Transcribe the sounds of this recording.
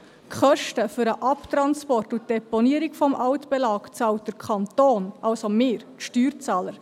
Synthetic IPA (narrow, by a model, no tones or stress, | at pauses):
kχœʃtəfʏɾəʔɑptɾɑnspɔrtut̚d̥ɛpɔniəɾikfɔmʔɑwtb̥ɛlɑːkt͡sɑlt̚d̥əɾkʰχɑnt̪oːnʔɑʊsomɪːɾtʃtyːɾt͡sɑːləɾ